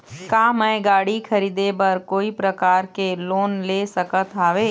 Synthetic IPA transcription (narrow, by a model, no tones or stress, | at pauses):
kaːmə̃ẽɡaːɽikʰəɾiːd̪ebɐɾkoːipɾəkaːɾkeloːnleːsəkət̪aːʋeː